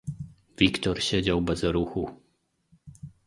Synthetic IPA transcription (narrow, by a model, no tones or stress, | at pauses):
vʲikt̪ɔɾɕed͡ʑawbɛzɾuxu